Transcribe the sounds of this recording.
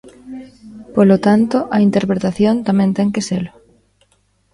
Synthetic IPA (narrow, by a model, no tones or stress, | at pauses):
polot̪ant̪oʔɐint̪eɾpɾet̪aθjont̪amɛ̃nt̪ɛŋkeselʊ